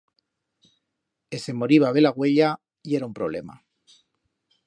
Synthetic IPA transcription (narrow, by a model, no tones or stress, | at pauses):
ese̞mo̞ɾiβaβ̞e̞laɣwe̞ʎa | ie̞ɾaumpɾo̞βle̞ma̰